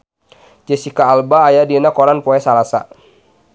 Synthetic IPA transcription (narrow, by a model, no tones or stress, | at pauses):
d͡ʒɛsikaːlbaːjadinakɔɾanpɔɛsalasa̰